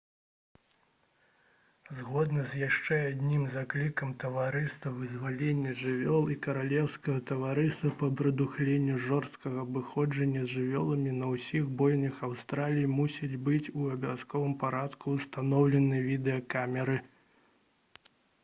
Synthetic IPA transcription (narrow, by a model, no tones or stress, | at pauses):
zɣɔd̪nɐzʲjaʂt͡ʂɛad̪ʲnʲimzaklʲikɐmt̪ɐvaɾɨst̪ɐvɨzvalʲenʲːɐʐɨvʲɔlˠikɐɾalʲɛwskɐɣɐt̪ɐvaɾɨst̪ɐpɐbɾɐd̪uxlʲenʲːuʐɔrst̪̚kɐɣɐbɨxɔd͡ʐɐnʲːɐzʲʐɨvʲɔlˠɐmʲinɐwsʲiɣbɔjnɨxawst̪ɾalʲijimusʲid͡zʲbɨt͡sʲuɐbʲaskɔvɨmpaɾat̪kuːst̪anɔwlʲɛnɨvʲid̪ɛɐkamʲɛɾɨ